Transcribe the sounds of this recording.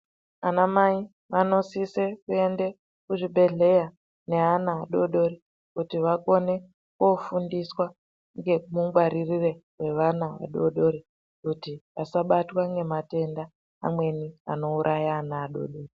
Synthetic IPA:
anamai | ʋano̞sisekue̞nde̞ | kuʐibʱe̞ɮe̞ja | ne̞anaːɗo̞ɗo̞ɾi | kutiʋako̞ne̞ | kofundiswa | ŋɡe̞muɡwaɾirire̞we̞ʋanaʋa̰ɗo̞ɗo̞ɾi | kutiasaɓatwaŋɡe̞mate̞nda̰ː | mwe̞nia̰no̞uɾʔajaːnaːɗo̰ɗo̞ːri

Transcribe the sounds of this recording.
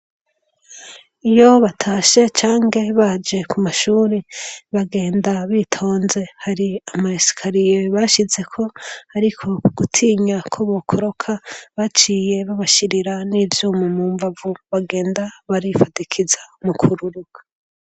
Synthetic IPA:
ijo̞βatʰaːʃe̞t͡ʃaːŋɡe̞βad͡ʒe̞kʰumaʃuːɾeβaɡe̞ːndaβiːtʰo̞ːnze̞haɾiamaisi̥kʰaɾijeβaʃize̞kʰo̞haɾikʰo̞uɡ̥utʰiːɲakʰoβokʰoɾo̞kʰaβat͡ʃiːje̞βaβaʃiɾiɾaniːvjumumuːɱvavuβaɡe̞ːndaβaɾifadikʰizamukʰuɾuɾuɡ̥ḁ

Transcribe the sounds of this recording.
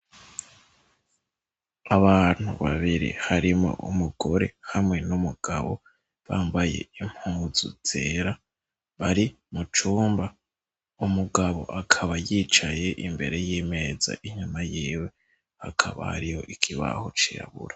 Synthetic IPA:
aβan̥huβaβiɾḭhaɾimŋo̞̰ʔumuɡo̞ɾe̞hamŋe̞numuɡ̥aβo̞̰ | βaːmbaje̞̰im̥huːzṵtʰe̞ɾa | βaɾi | mut͡ʃuːmba | umuɡaβo̞̰ʔakʰaβajit͡ʃaje̞ʔimbe̞ɾe̞jime̞za̰ʔiɲumajiːwe̞ | hakʰaβa̰haɾijo̞̰ʔikʰiβa̰ho̞t͡ʃiɾa̰βṵɾa

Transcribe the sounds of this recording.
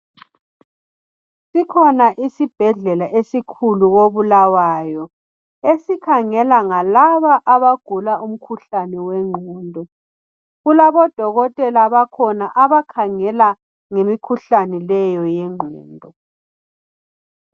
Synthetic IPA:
sikʰɔnaʔisib̥ʱɛɮɛlaʔesikʰuluɣoβulawaːjɔ | esikʰaŋɛlaŋalaβaʔaβaɡ̥ʱulaum̩kʰuɬanɛwɛŋ͡ǃʱɔːndʱɔ | ɣulaβɔd̥ʱɔɣɔtʼɛlaβakʰɔnaʔaβakʰaŋɛla | ŋemikʰuɬanɛlɛjɔjɛŋ͡ǃʱɛ̰ːndʱɔ

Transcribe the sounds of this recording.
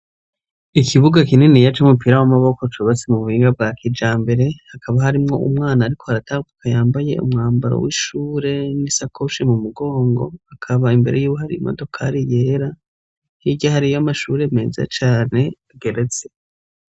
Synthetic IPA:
ikʰiβuɡakininijat͡ʃumupiɾawamaβo̞ko̞t͡ʃuβat͡simuβuhiːŋɡab̚ɡaːkid͡ʒaːmbe̞ɾe̞hakʰaβaɦaɾimŋo̞̰ʔumŋaːnaːɾikʰo̞haɾataːɡukʰajaːmbaje̞̰ṵmŋaːmbaɾo̰wiʃuːɾe̞nisakʰoʃimumuɡo̞ːŋɡo̞̰hakʰaβaimbe̞ɾejuːβuɦaɾḭimo̰do̞kʰaɾijeːɾa | hiɟahaɾijomaʃuːɾe̞me̞ːza̰t͡ʃaːne̞aɡe̞ɾe̞t͡se̥

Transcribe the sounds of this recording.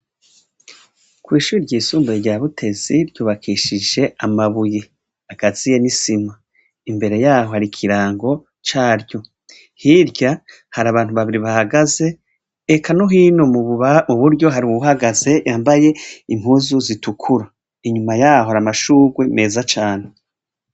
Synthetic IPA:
kwiːʃuːɾiɾɟiːsuːmbaɾɟaβutʰe̞z̥iɾɟuːβakʰiʃid͡ʒe̞amaβuje | akaz̥ije̞nisima | imbe̞ɾe̞jaːho̞haɾikʰiɾaːŋɡo̞ | t͡ʃaːɾɟo̞ | hiɾɟa | haɾaːβaːnhuβaβiɾiβahaɡaze̞ː | kʰanoɦinommuβuɾɟo̞ɦaɾiuɦaɡaze̞jaːmbaje̞imhuːzuzitukʰuɾa | iɲumajaːho̞haɾamaʃuːɡwe̞me̞ːzat͡ʃaːne

